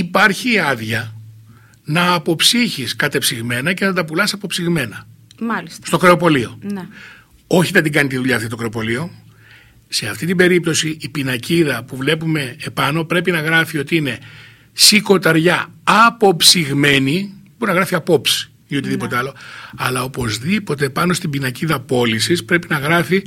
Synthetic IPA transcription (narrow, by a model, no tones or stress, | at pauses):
ipɐɾçiːɐðʝɐ | nɐːpo̞psiçiskɐt̪e̞psiɣme̞nɐce̞nɐt̪ɐpulɐsɐpo̞psiɣme̞nɐlisst̪o̞kɾe̞o̞po̞lio̞n | o̞çiðɐnd̪iɡɐnit̪iðuʎɐft̪it̪okɾe̞o̞po̞lio̞ | se̞ɐft̪it̪ibe̞ɾip̚t̪o̞siipinɐciðɐpuvle̞pume̞ːpɐno̞pɾe̞pinɐɣɾɐfio̞t̪iine̞ | siko̞t̪ɐɾʝɐːpo̞psiɣme̞niboɾinɐɣɾɐfiɐpo̞psi̥ | io̞t̪iðipo̞t̪eɐlo̞ɐlɐo̞po̞zðipo̞t̪e̞pɐno̞st̪ibinɐciðɐpo̞lisispɾe̞pinɐɣɾɐfi